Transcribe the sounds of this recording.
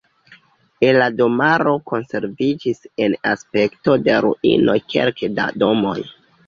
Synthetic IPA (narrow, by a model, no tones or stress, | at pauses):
enlado̞maɾo̞ko̞nse̞ɾvid͡ʒise̞naspe̞kto̞de̞ɾuʔḭno̞kʰe̞̰lkda̰do̞mo̞̰j